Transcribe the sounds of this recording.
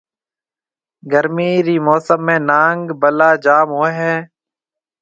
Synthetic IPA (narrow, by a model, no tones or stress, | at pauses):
ɡəɾmiːɾiːmoːsəmːẽːnaːŋɡbəlaːd͡ʒaːmɦoːeɦɛː